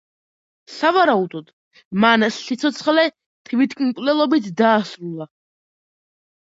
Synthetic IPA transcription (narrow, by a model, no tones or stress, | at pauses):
savaɾaud̪ɔd̪̥ | mansit̪sʰɔt̪sʰχlɛ | t̪ʰvit̪ʰkʼinkʼlɛlˠɔbit̪ʰd̪aːsɾulˠa